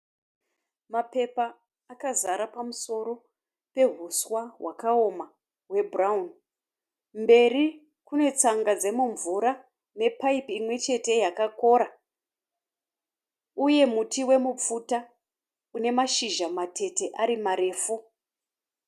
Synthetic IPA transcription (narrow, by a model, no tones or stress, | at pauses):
mape̞paː | kazaɾapamuso̞ɾo̞ | pe̞ɦuswawa̰kao̞ma | ɦwe̞braun | mbe̞ri | kune̞t͡saŋɡad͡ze̞muɱvuɾa | ne̞paipimwe̞t͡ʃe̞te̞jakako̞ɾa | uje̞mutiwe̞mup͡futa | une̞maʃiʒamatʰe̞te̞ʔaɾimaɾe̞ːfu